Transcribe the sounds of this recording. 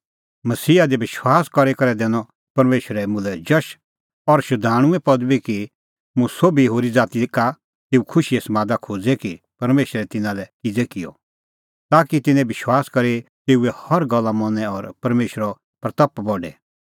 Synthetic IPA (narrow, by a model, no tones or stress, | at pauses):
mɐsiːad̪ibɪʃwaːskɔɾekɐɾɛd̪ɛːnɔ̃ | pɐɾmeːʃəɾɛmʊ̃lɛd͡ʒɐʃ | ɔɾʃʊd̪ʱaːɽ̃ʊ̃ɛpɐd̪biki | mũsoːbiɦoːɾid͡zaːt̪ika | t̪eːukʰʊʃiesɐmaːd̪akʰoːd͡zɛki | pɐɾmeːʃɾɛt̪ɪ̃nãlɛkɪd͡zɛkɪjɔ̰ | t̪aːkit̪ɪnɛ̃bɪʃwaːskɐɾet̪eːuɛhɐɾɡɐlːamɔnɛ̃ɔɾpɐɾmeːʃɾɔ | pɾɐt̪ɐpːbɔɖɛ